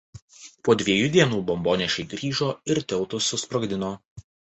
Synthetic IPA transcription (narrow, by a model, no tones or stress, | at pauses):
puɔd̪ʲʋʲiɛjud̪ʲiɛnuːbɔmboːnʲɛʃʲɛɪɡɾʲiːʒoːɪɾt̪ʲɛlˠt̪ʊsʊspɾɔɡd̪ʲɪnoː